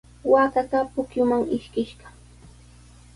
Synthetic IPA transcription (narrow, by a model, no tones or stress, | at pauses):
waːtat̪apʊkjʊmaŋɪʃkɪʃɢɑ